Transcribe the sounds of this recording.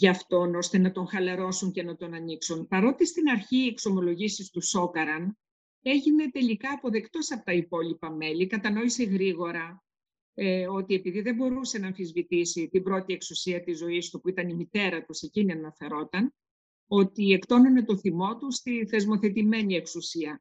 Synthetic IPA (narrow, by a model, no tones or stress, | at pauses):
ʝɐft̪o̞no̞st̪e̞nɐt̪o̞ŋxɐlɐɾo̞suɲce̞nɐt̪o̞nɐniksunpɐɾo̞t̪ist̪inɐɾçiekso̞mo̞lo̞ʝisist̪uso̞kɐɾɐn | e̞ʝine̞t̪e̞likɐːpo̞ðe̞kt̪o̞sɐpo̥t̪ɐipo̞lipɐme̞likɐt̪ɐno̞ise̞ɣɾiɣo̞ɾɐ | o̞t̪ie̞piðiðe̞mbo̞ɾuse̞nɐːɱfizvit̪isit̪ibɾo̞t̪ie̞ksusiɐt̪izo̞ist̪upuit̪ɐnimit̪e̞ɾɐt̪use̞ciniɐnɐfe̞ɾo̞t̪ɐn | o̞t̪ie̞kt̪o̞none̞t̪o̞θimo̞t̪ust̪inθe̞zmo̞θe̞t̪ime̞nie̞ksusiɐ